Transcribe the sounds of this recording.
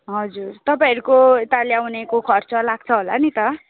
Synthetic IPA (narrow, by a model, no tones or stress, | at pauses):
ɦʌd͡zurt̪ʌpãʌɾukot̪aljawnekokʰʌrt͡sʌlaɡ̚t͡sʰʌɦola̰nit̪ʌ